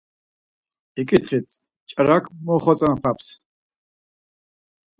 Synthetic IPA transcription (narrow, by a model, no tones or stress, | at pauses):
ikʼit̪χit̪ʰ | t͡ʃʼɾakʼʰmɔχɔt͡sʼanpʰapʰs